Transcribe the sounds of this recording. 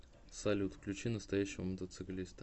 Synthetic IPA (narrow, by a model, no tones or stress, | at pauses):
sɐlʲut̪klʲʉt͡ɕinəst̪ɐjæɕːɪvəmət̪ət̪sɨklʲist̪ə